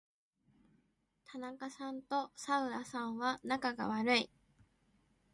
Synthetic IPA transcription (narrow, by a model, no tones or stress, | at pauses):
t̪ʰanakasãnt̪o̞saɯ̟ɾasãɰ̃βanakaɡa̰βaɾɯ̟i